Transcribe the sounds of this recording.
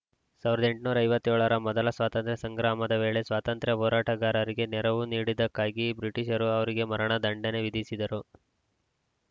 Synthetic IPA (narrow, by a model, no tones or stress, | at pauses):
saːʋiɾɐd̪eɳʈnuːɾɐjʋɐt̪ːjoːɭɐɾɐmɔd̪ɐlɐsʋaːt̪ɐnt̪ɾjɐsɐŋɡɾaːmɐd̪ɐʋe̞ːɭe̞sʋaːt̪ɐnt̪ɾjɐɦɔːɾaːʈɐɡaːɾɐɾiɡe̞nɛɾɐʋuniːɽid̪ɐkːaːɡibɾiʈiʃɐɾuɐʋɐɾiɡe̞mɐɾɐɳɐd̪ɐɳɖɐne̞ʋid̪isid̪ɐɾu